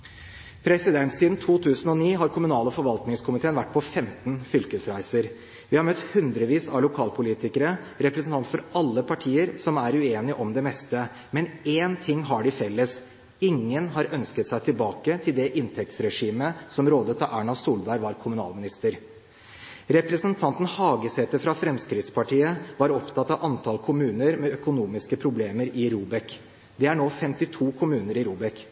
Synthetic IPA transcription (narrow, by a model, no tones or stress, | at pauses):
pʰɾɛsɪd̪ɛnt̪siːd̪n̩t̪ʰuːt̪ʰʉːsənɔniːɦɑɾkʰʊmʉnɑːləfɔɾʋɑlt̪nɪŋskʰʊmɪt̪ʰeːnʋæʈːpʰɔfɛmt̪n̩fʏlkəsɾæɪsəɾ | ʋɪhɑɾmœt̪hʉnd̪ɾəʋiːsɑ̰ʋlʊkʰɑːlpʰʊliːt̪ɪkəɾəɾɛpɾɛsn̩t̪ɑnt̪fɔɾɑlːəpʰɑʈʰiːəɾsɔmæɾʉeːnɪʔɔmd̪ɛmɛst̪ə | mɛneːnt̪ʰɪŋːɦɑɖɪfɛlːəs | ɪŋːənɦɑɾœnskət̪sæɪt̪ʰɪlbɑːkət̪ʰɪld̪ɛʔɪnt̪ʰɛk̚t̪sɾɛʂiːməsɔmɾoːd̪ət̪ɑæːɳɑsuːlbæɪʋɑɾkʰʊmʉnɑ̰ːlmɪnɪst̪əɾ | ɾɛpɾəsənt̪ʰɑnt̪n̩hɑːɡəsɛt̪əfɾɑfɾɛmskɾɪt̪spʰɑʈiːəʋɑɾɔpt̪ʰɑt̪ːɑʋʔɑnt̪ʰɑlkʰʊmʉːnəɾmɛœkʊnuːmɪskəpʰɾʊbleːməɾɪɾuːbɛk | d̪ɛæɳoːfɛmt̪ɪt̪ʰuːkʰʊmʉːnəɾɪɾuːbɛk